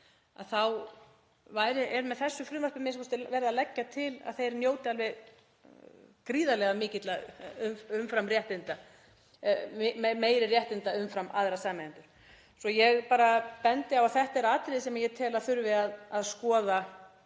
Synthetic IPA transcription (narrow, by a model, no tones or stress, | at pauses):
a̰ðθaw | vaːjɾɪʔɛɾmɛðθɛsːʏfɾʏːmaɾ̥pɪmɪskɔst̪ɪvɛɾðalɛcːat̪ʰɪla̰ðθejɾnjoːwt̪ɪalvɪð | kɾiːðalɛɣamɪːcɪt̪laʏmʏmfɾamrjɛht̪ɪnt̪a | meːjɾɪrjɛht̪ɪnt̪aʏmfɾamʔa̰ðɾasaːmɛɪnt̪ʏɾ̥ | sɔjɛɣpaːɾapɛnt̪ɪawaθɛht̪aɛɾaːt̪ɾɪðɪsɛmaɾjɛt̪ʰɛːlaðθʏɾvɪaðaðskɔːða